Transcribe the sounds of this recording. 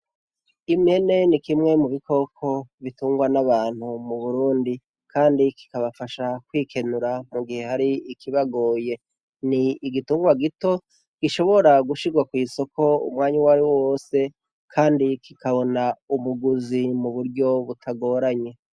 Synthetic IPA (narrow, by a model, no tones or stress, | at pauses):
imɲe̞ne̞nikimŋe̞muβikʰo̞kʰo̞βituːŋɡwanaβaːn̥humuβuɾuːndi | kʰaːndiki̥kaβafaʃakwiːkʰe̞nuɾamuɡihe̞haɾiikʰiβaɡo̞ːje̞ | niːɡituːŋɡwaɡito̞ | ɡ̥iʃo̞βo̞ɾaɡuʃiɡwakwiːso̞kʰo̞ṵmŋaːɲiwaɾiwowoːse̞ | kʰaːndikʰikaβo̞naumuɡuzimuβuɾɟo̞βutʰaɡo̞ːɾaɲe̞